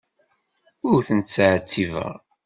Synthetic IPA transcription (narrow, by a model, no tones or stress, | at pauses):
ʊɾθənt̪t͡sːaʕt͡sːivə̰ʁ